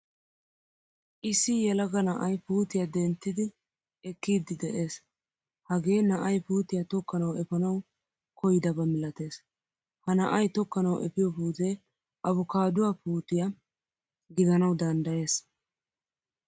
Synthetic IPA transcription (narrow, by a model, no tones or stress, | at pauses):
ʔɪsːɪjɛlɐɡɐnɐʔɐjpuːt̪ɪjɐd̪ɛnt̪ːɪd̪ɪ | ɛkːiːd̪ːɪd̪ɛʔe̞ːs | hɐɡe̞ːnɐʔɐjpuːt̪ɪjɐt̪ɔkːɐnɐwɛpɐnɐw | kɔjɪd̪ɐbɐmɪlɐt̪e̞ːs | hɐnɐʔɐjt̪ɔkːɐnɐwʔɛ̰pɪjɔpuːt̪e | ʔɐβʊkaːd̪ʊwapuːt̪ɪjɐ | ɡɪd̪ɐnɐwd̪ɐnd̪ɐje̞ːs